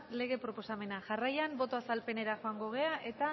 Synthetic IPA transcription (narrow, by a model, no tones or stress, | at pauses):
le̞ɣ̞e̞pɾo̞po̞same̞naʝarajambo̞t̪o̞asalpe̞ne̞ɾaxoaŋɡo̞ɣ̞e̞aʔe̞t̪a